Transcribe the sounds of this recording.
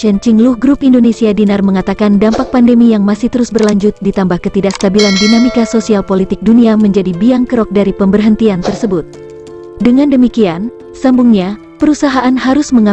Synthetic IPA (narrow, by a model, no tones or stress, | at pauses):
t͡ʃɛnt͡ʃiŋluhɡɾupindonesiadinarməŋat̪akandampak̚pandəmijaŋmasiht̪əɾusbərlaɲd͡ʒʊt̪̚dit̪ambahkət̪idaʔst̪abilandinamikasosialpolit̪ɪk̚duniaməɲd͡ʒadibiaŋkəɾɔk̚daɾipəmbərɦənt̪iant̪ərsəbʊt̪̚ | dəŋandəmikian | sambuŋɲa | pəɾusaɦaʔanɦaɾusməŋa